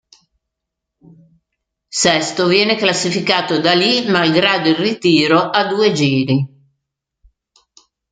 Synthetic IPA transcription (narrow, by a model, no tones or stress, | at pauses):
sɛst̪ovjɛːneklasːifikaːt̪od̪alimalɡɾaːd̪oirit̪iːɾoʔad̪uːed͡ʒiːɾi